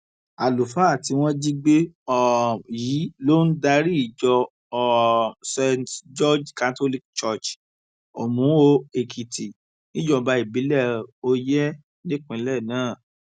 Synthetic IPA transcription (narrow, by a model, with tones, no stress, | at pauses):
a˨lu˨fa˨˦a˦˨ti˧w̃ɔ̃˦d͡ʒi˦ɡ͡be˦ɔ˦ji˨˦lo˦n̩˦da˧ɾi˦i˦˨d͡ʒɔ˧˦ | se˧td͡ʒɔ˦d͡ʒka˧to˦li˦k̚t͡ʃɔ˦˨t͡ʃ | o˨mũ˨˦o˧e˨kʰi˨tʰi˨ | nĩ˦d͡ʒɔ˧ba˧i˨bi˨˦lɛ˦˨o˧jɛ˦ | nĩ˦k͡pĩ˨˦lɛ˦˨nãː˦˨